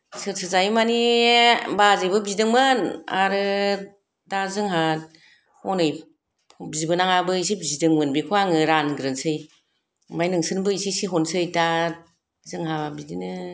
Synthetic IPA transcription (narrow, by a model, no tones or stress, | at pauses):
sɯtsʰɯzajmani | bazɯjbɯbizdɯŋmɯna̰ɾɯ | dazɯŋɦa | hɔnɯj | bizibɯnaŋabɯis̬ibizidɯŋmɯnbikʰɯaŋɯɾanɡɾɯnsɯj | majnɯŋsɯnbɯisisiɦɔnsɯjta | zɯŋɦabidinɯ